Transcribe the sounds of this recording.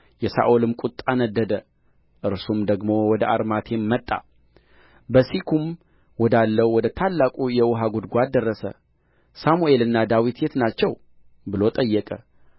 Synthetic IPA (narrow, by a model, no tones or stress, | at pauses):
jɛsa̰ʔolɨmkʷʼut̪ʼanəd̪ːəd̪ə | ʔɨɾsumd̪əɡmo̞wɔd̪əʔaɾmat̪ʰe̞mːət̪ʼːa̰ | bəsikʰum | wɔd̪alːəwwɔd̪ət̪ʰalːakʼujɛwʊɦaɡud̪ɡʷad̪ərːəsə̰ | samue̞lɨnːad̪awit̪jet̪nat͡ʃːɛw | bɨlo̞t̪ʼəjːɛkʼə